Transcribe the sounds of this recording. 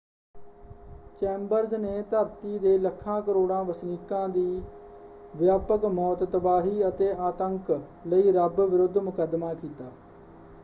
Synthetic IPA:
t͡ʃɛːmbəɾzneːt̪əɾt̪iːd̪eːləkʰːãːkəɾoːɽãːʋəsniːkãːd̪iː | ʋjaːpəkmɔːt̪ːəbaːɦiːət̪eːaːt̪əŋk | ləiːɾəbʋɪɾʊd̪ʱːmʊkəd̪maːkiːt̪aː

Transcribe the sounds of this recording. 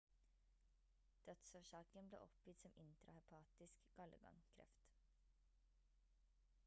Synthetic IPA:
d̪̥œt̪soːʃɑːkənblḛːʔɔpjʏt̪sɔmʔɪnt̪ɾɑhɛpʰɑːt̪ɪskɡ̥ɑlə̰ɡɑ̰ŋkʰɾɛ̰ft̪

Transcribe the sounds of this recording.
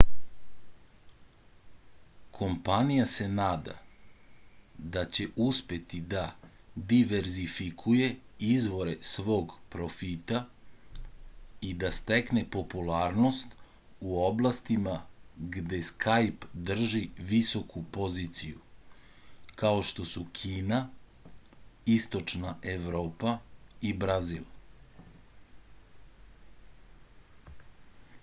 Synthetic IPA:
kʰo̞mpanijase̞naːd̪a̰ | d̪at͡ɕe̞ʔuspje̞t̪id̪a | d̪iʋe̞ɾzifikʰuje̞izʋo̞ɾe̞sʋo̞ːɡpɾo̞fit̪a | id̪ast̪e̞kne̞po̞pulaːɾno̞st̪ | uoblˠast̪imaɡd̪e̞skʰajpd̪r̩ʒiʋiso̞kʰupo̞ziːt̪siju | kao̞ʃt̪o̞sukʰiːna | ist̪o̞t͡ʃnaeʋɾoːpaibɾazilˠ

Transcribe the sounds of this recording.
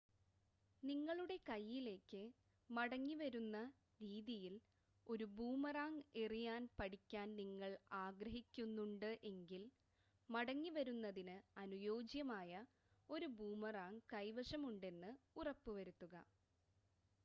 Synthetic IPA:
niŋːɐɭuɽe̞kɐjːile̞ːkːɨ | mɐɽɐŋːiʋɐɾunːɐ | ɾiːðijil | o̞ɾubuːmɐraːŋerijaːnpɐɽikʲːaːnniŋːɐɭaːɡɾɐɦikʲːunːuɳɖɨʔe̞ŋɡil | mɐɽɐŋːiʋɐɾunːɐðinɨɐnujo̞ːd͡ʑjɐmaːjɐ | o̞ɾubuːmɐraːŋkɐjʋɐʂɐmuɳɖe̞nːɨurɐpːɨʋɐɾut̪ːuɣɐ̰

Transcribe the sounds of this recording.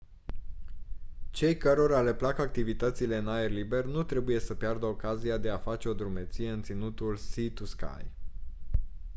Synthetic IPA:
t͡ʃe̞jkəɾo̞ɾale̞plakak̚t̪ivit̪ət̪sile̞ɨnaerlibe̞rnut̪ɾe̞buje̞səpjard̪əo̞kaziad̪e̞afat͡ʃe̞o̞d̪ɾumet̪sije̞ɨnt̪sinut̪ulsit̪uska̰j

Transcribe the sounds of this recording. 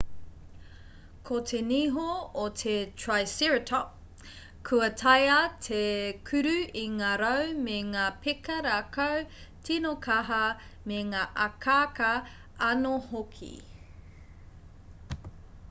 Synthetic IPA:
kʰot̪ʰeniɦootʰetʰɹajsiɹtʰɔp̚ | kʰʉɐtʰɐjɐtʰekʰʉɾʉiŋaːɾɐwmeŋaːpʰekɐɾakɐw | tʰinokʰɐɦɐ | meŋaːʔɐkʰaːkɐ | ɐnohokʰḭ

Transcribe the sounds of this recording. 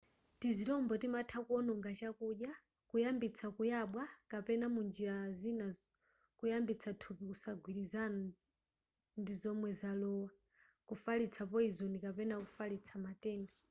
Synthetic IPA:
tizitɔmbɔtimatʰakuɔnɔŋɡat͡ʃakuɗja | kujambit͡sʰakujaɓwakapɛnamund͡ʒiɾazina | kujambit͡sʰatʰupikusaɡʱwiɾizan | ndizɔmwɛzalɔwa | kufalit͡sʰapɔizɔnikapɛnakufalit͡sʰamatɛːna

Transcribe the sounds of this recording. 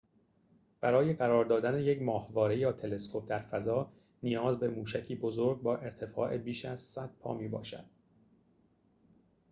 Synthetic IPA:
b̥æɾɒːje̞ɢæɾɒːɾd̪ɒːd̪æne̞jecʰmɒːhvɒːɾe̞jɒːt̪ʰe̞le̞skʰo̞p̚ʰd̪æɾfæzɒː | nijɒːzbe̞muːʃæcʰiːbo̞zoɾɡ̚bɒːʔe̞ɾt̪ʰe̞fɒ̰ːʔe̞biːʃæz̥sæd̪̥̚pʰɒ̰ːmiːbɒ̰ːʃæ̰d̪̥̚

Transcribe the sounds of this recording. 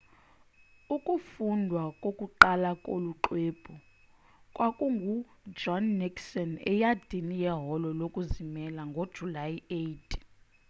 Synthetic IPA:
ukʼufundʱwakʼokʼuǃalakʼo̰luǃweːb̥ʰʱɔ | kʼwakʼuŋɡʱud͡ʒɔnːiksɔnɛ̰jad̥ʱinijɛɦɔlɔlokʼuzimɛlaŋɡʱod̥ʒ̥ʱulajejtʰ

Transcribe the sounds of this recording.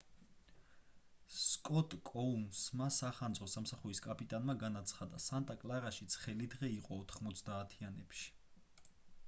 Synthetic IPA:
skʼɔt̪ʼkʼɔunsmasaχand̪zʁɔsamsaχuɾiskʼapʼit̪ʼanmaɡanat̪sʰχad̪asant̪ʼakʼlˠaɾaʃit̪sʰχɛlid̪ʁɛiqʼɔːt̪ʰχmɔt̪sʰd̪aːt̪ʰianɛpʃi̥

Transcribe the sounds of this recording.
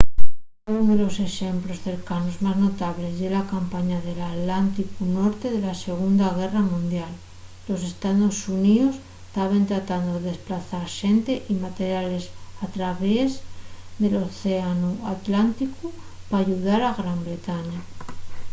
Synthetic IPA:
unðe̞lo̞se̞xe̞mplo̞sθe̞ɾkano̞zmazno̞t̪aβ̞le̞zðelakampaɲaðe̞lat̪lant̪ikuno̞ɾt̪e̞ðe̞lase̞ɣ̞und̪aɣ̞e̞ramũnd̪jalː | o̞s̬e̞st̪aðo̞sunios | t̪aβ̞e̞nt̪ɾat̪and̪oðeðesplaθaɾʃe̞nt̪e̞ʔimat̪e̞ɾjale̞sat̪ɾaβezðe̞lo̞θeanuat̪lant̪ikupaːʝuð̞aɾaɣɾambɾe̞t̪aɲa

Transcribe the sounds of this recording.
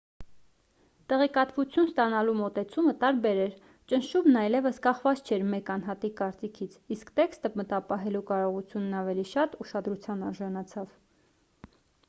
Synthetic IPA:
t̪ɛʁɛkɑt̪vut͡sʰjunst̪ɑnɑlumɔt̪ɛt͡sʰumət̪ɑɾbɛɾɛɾ | t͡ʃənʃumnɑjlɛvəskɑχvɑt͡st͡ʃʰɛɾmɛkɑnɦɑt̪ikɑɾt͡sikʰit͡sʰiskt̪ɛkst̪əmət̪ɑpɑɦɛlukɑɾɔʁut͡sʰjunːɑvɛliʃɑt̪uʃɑd̪ɾut͡sʰjɑnɑɾʒɑnɑt͡sʰɑv

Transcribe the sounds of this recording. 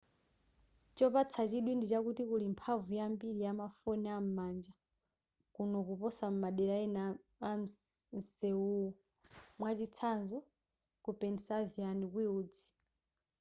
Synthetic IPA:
t͡ʃɔpat͡sʰat͡ʃiɗwindit͡ʃakutikulimpʰavujambiɾijamafɔnɛam̩mand͡ʒa | kunɔkupɔsam̩maɗɛɾaɛnaam̩nsɛuɔ | mwat͡ʃit͡sʰanzɔ | kupɛnisavjanikwiuːd͡zi

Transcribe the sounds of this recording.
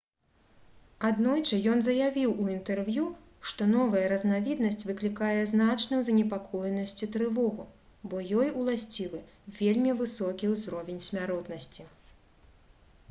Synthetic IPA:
ad̪nɔjt͡ʂɐjɔnzɐjavʲiwuint̪ɛrvju | ʂt̪ɔnɔvɐjɐɾɐznavʲid̪nɐsʲt͡sʲvɨklʲikajɛznat͡ʂnɨwzɐnʲɛpakʰɔjnɐsʲt͡sʲit̪ɾɨvɔɣu | bɔjɔjulˠasʲt͡sʲilˠɨ | vʲelʲmʲivɨsɔkʲiwzɾɔvʲenʲsʲmʲaɾɔt̪nɐsʲt͡sʲi

